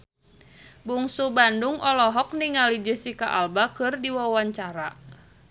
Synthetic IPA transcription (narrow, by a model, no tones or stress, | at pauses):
buŋsubanduŋɔlɔɦɔk̚niŋalid͡ʒəsikaʔalbakɨrdiwawaɲt͡ʃaɾa